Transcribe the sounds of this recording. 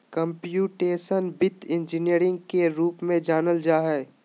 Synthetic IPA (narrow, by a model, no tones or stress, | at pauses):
kə̃mpjuːʈeːʃənbɪt̪ɪ̃nd͡ʒinijəɾɪ̃ŋɡkeɾuːpmẽd͡ʒaːnəld͡ʒaːɦɛː